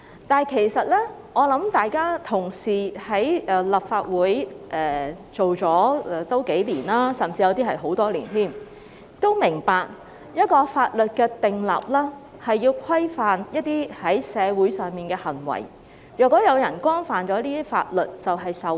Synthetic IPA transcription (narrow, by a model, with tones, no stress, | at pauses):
t̪aː˨nkʰe˨˩jsɐ˨t̚lɛ˥ŋɔː˨˧lɐ˨˥mt̪aː˨jkaː˥t̪ʰʊ˨˩ŋsiː˨hɐ˨˥jʔɛː˧lɐ˨˩p̚faː˧t̚wuː˨˥jʔɛː˨˩ | t͡so˨wt͡sɔː˨˥ɛ˧t̪o˥wke˨˥jliː˨˩nlaː˥sɐ˨˩mt͡siː˧jɐ˧wt̪i˥ɦɐ˨˩jɦo˨˥wt̪ɔː˥liː˨˩nt̪ʰiː˥˩m | t̪o˥wmɪ˨˩ŋpaː˨k̚ | jɐ˥t̚kɔː˧faː˧t̚lɵ˨t̚kɛː˧t̪ɪ˨ŋlɐ̰˨p̚lɛː˥ | hɐ˨jːiː˧wkʰwɐ˥jfaː˨njɐ˥t̚t̪iː˥hɐ˨˥jsɛː˨˧wu˨˥jsœː˨ŋmiː˨˩nkɛː˧hɐ˨˩ŋwɐ̰˨˩j | jœː˨˩kʷːɔː˨˥jɐ˨˧wjɐ˨˩nkʷɔː˥nfaː˨nt͡ʃɔː˨˥liː˥t̪i˥fa̰ː˧t̚lɵ˨t̚t͡sɐ˨wɦɐ˨jsɐ˨w